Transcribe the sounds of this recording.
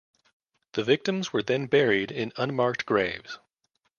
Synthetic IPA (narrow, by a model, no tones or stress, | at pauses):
ðɨvɪk̚tɨ̃mzwə˞ðɨ̃nbɛɹiɾɪ̃nʌ̃nmɑɹk̚t̚ɡ̥ɹeɪvz̥